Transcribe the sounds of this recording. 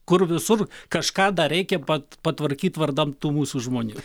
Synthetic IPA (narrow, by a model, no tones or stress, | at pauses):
kʊrʋʲɪsʊrkɐʃkɑːd̪ɐɾʲɛɪkʲɛpɐpɐt̪ʋɐɾʲkʲiːt̪ʋɐrd̪ɐmt̪uːmuːsuʒmoːnʲuː